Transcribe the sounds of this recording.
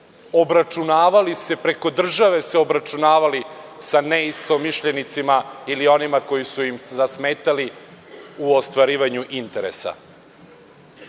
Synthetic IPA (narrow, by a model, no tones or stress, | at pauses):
o̞bɾat͡ʃunaːʋalise̞pɾe̞ko̞d̪r̩ʒaʋe̞seo̞bɾat͡ʃunaːʋalisaneist̪o̞miʃʎenit̪simailio̞nimako̞jisujimzasmeːt̪ali | uost̪ʋaɾiːʋaɲuʔint̪e̞ɾḛsa̰